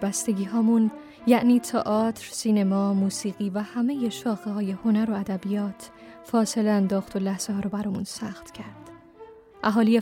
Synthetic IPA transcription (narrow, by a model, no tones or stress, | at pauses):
bæst̪e̞ɡiːɦɒːmun | jæʔniːt̪ʰɒʔɒːt̪ʰɾsiːnemɒːmuːsiːɣiːvæhæme̞je̞ʃɒːxehɒːje̞ho̞næɾo̞æd̪æbijɒːt̪ʰ | fɒːse̞leænd̪ɒːxt̪ʰo̞læhz̥eɦɒːɾɔːbæɾɒːmunsæxt̪cʰæɾd̪̥ | ʔæɦɒːlije